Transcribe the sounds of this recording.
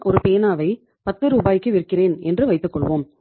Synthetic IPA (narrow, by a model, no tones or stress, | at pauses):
ʔɔɾɯpeːnaːʋɐɪ | pɐt̪ːɯɾuːbaːjɪkːɯʋɪɾkːɪreːnɛndrɯʋɐɪt̪ːɯkːɔɭʋo̰ːm